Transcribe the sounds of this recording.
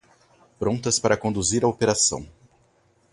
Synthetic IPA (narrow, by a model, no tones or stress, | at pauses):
pɾõnt̪ɐspaɾɐkõnd̪uziɾɐopeɾasɐ̰̃w̃